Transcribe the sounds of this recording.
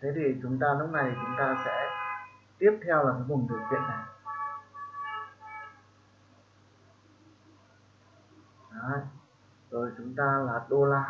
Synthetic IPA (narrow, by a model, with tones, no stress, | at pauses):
t̪ʰe˨˦t̪ʰi˨˩t͡ɕʊ˨˦ŋ͡mt̪aː˧lʊ˦˥p̚na˨˩jt͡ɕʊ˨˦ŋ͡mt̪aː˧sɛ̰˧˥t̪i˦˥əp̚t̪ʰɛ˧wlaː˨˩kaː˨˦vʊ˨˩ŋ͡mɗi˨˩əwkwḭ˧˨ənːa˨˩j | ʔaː˨˦j | zo˨˩jt͡ɕʊ˨˦ŋ͡mt̪aː˧laː˨˩ɗo˧laː˧